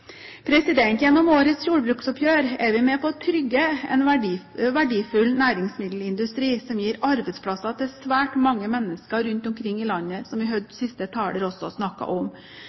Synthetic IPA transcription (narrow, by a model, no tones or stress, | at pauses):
pʰɾɛsɪd̪ɛnt̪jɛnːɔmoːɾət̪sjuːɾbɾʉːksɔpʰjøːɾɛɾʋɪmɛpʰɔt̪ʰɾʏɡːəɛ̰nʋʋæɖiːfʉlnæːɾɪŋsmɪd̪l̩ɪnd̪ʉst̪ɾiːsɔmjiːɾɑɾbɛɪt̪spʰlɑsɑt̪ʰɪlsʋæːʈmɑŋːəmɛnːəskəɾʉnt̪ɔmkʰɾɪŋːɪlɑnːəsɔmʋɪɦœd̪sɪst̪ət̪ʰɑːləɾɔsːɔsnɑkːɑ̰ʔɔm